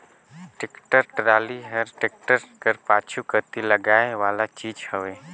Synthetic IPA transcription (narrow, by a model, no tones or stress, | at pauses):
ʈɪkʈəɾʈɾaːliɦəɾʈek̚ʈəɾkəɾpaːt͡ʃʰukəɾt̪iləɡaːeʋaːlat͡ʃiːd͡ʒhəʋeː